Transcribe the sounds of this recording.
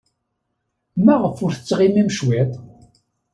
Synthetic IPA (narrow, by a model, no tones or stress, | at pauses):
mæʁəfʊɾθət͡sːʁimæmʃwet̪ˤ